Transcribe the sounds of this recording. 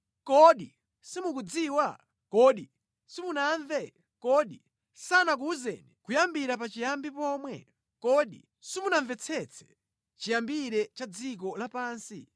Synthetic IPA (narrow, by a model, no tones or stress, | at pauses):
kɔɗi | simukud͡ziwa | kɔɗi | simunaɱvɛ | kɔɗi | sanak̬uuzɛ̰nikujambiɾapat͡ʃijambipɔːmwɛ̰ | kɔɗḭ | simunaɱvɛt͡sʰɛt͡sʰɛ̥ | t͡ʃijambiɾɛt͡ʃad͡zik̬ɔlapaːnsḭ